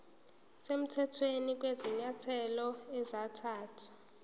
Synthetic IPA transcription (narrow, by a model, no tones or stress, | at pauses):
sem̩tʰɛtʰwenik̬ʼweziɲatʰɛlɔɛzatʰaːtʰḁ